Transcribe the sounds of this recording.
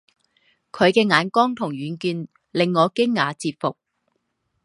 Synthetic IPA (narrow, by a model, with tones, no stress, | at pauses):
kʰɵ˨˧ɥkɛː˧ŋaː˨˧˥nkɔː˥ŋt̪ʰʊ˨˩ŋɥyː˨˧nkyː˧n | lɪ˨ŋːɔː˨˧kɪ˥ŋːaː˨˧˥t͡siː˧p̚fʊ˨k̚